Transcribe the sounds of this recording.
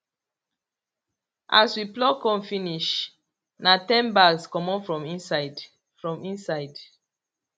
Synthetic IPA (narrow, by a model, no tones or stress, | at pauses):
ʔaswiplɔkɔ̃mfiniʃ | natɛ̃nbalskɔmɔ̃fɹɔ̃mĩsad | fɹɔ̃mĩnsaɪd